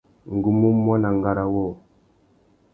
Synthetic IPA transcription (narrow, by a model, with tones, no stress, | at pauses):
ŋ̩˨ɡu˨mu˦mːɔ˦na˨ŋ˨ɡa˦ɾa˨wɔ˦˨